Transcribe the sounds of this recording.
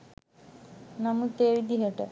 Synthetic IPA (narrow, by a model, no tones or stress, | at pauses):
nɐmut̪eːʋid̪iɦɐʈɐ̰